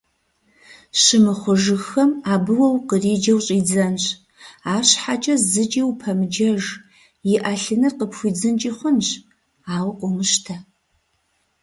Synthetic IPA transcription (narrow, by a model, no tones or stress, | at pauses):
ɕɨmɨχʷʊʒɨxɐmaːbɨwɐwqəriːd͡ʒɐwɕʼiːd͡zɐnɕ | aːɕħat͡ʃʼɐzɨt͡ʃʼiwpʰɐmɨd͡ʒɐʒ | jɪʔaɬɨnɨrqəpxʷiːd͡zɨnt͡ʃʼiːχʷʊnɕ | aːwqʷʼʊmɨʃtʰɐ